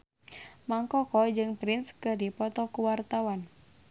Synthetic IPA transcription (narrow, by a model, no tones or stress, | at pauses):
maŋkɔkɔd͡ʒɨŋpɾɪnskɨdipɔt̪ɔkuwart̪awan